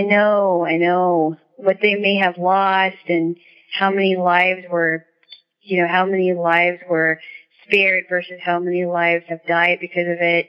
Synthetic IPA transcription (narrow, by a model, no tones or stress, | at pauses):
aɪnoʊaɪnoʊ | wʌt̪̚ðeɪmeɪɨvlɔstɨ̃n | haʊmɛnilaɪvzwə˞ | jɨnoʊɦaʊmɛnilaɪvzwə˞spɛɹdvɜ˞sɨz̥haʊmɛnilaɪvz̥ɨvdaɪd̚bɨkʰʌzʌvɪt̚